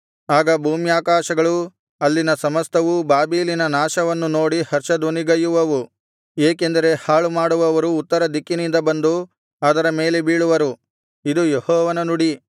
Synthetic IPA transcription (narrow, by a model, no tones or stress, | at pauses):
aːɡɐbʱuːmijaːkaːʃɐɡɐɭu | ɐlːinɐsɐmɐst̪ʰɐʋubaːbiːlinɐnaːʃɐʋɐnːuno̞ːɽihɐɾt͡ʃɐd̪ʋoniɡɐjuʋɐʋu | eːkend̪ɐɾe̞haːɭumaːɽuʋɐʋɐɾuːt̪ːɐɾɐd̪ikːinind̪ɐbɐnd̪u | aːd̪ɐɾɐme̞ːle̞biːɭuʋɐɾu | id̪ujehɔːʋɐnɐnuɽi